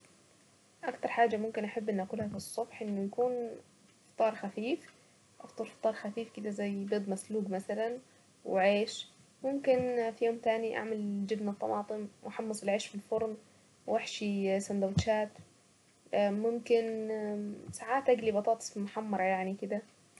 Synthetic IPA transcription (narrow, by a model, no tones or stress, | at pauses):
ʔakt̪ɑɾˤħaːd͡ʒːamʊmkɪnʔaħabːʔɪnːʔakuːlhafɨsˤːʊbħʔɪnːʊjakuːn | ft̪ˤɑːɾˤxafiːf | ʔɑ̰ft̪ˤɑɾˤft̪ˤːɑːɾˤxafiːfkɪd̪azajːbeːd̪ˤmasluːɡmasalan | wʕeːʃ | mʊmkɪnfijoːmt̪aːniʔa̰ʕmald͡ʒɪbnɨt̪ˤːɑmʔɑːt̪ˤɨnwʔaħɑmːɑsˤɪlʕeːʃfilfʊɾˤn | wʔaħʃisand̪awt̪ʃaːt̪ː | mʊmkɪn | saʕaːt̪ʔaɡlibɑt̪ˤɑːt̪ˤimʊħɑmːɑɾˤɑjaʕnikɪd̪a